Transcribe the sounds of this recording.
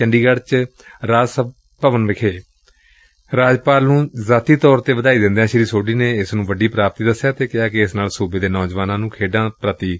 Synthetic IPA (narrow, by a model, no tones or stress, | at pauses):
əɳɖiːɡəɽt͡ʃɾaːd͡ʒsəb | pəʋənʋɪkʰeː | ɾaːd͡ʒpaːlnũːzaːt̪iːt̪ɔːɾt̪eːʋəd̪aːiːd̪ɪ̃nd̪ejãːʃɪɾiːsoːɖiːneːɪsnũːʋəɖiːpɾaːp̚t̪iːd̪əsːjaːt̪eːkɪaːkeɪsnaːlsuːbeːd̪eːnɔːd͡ʒʋaːnãːnũːkʰeːɖãːpɾət̪iː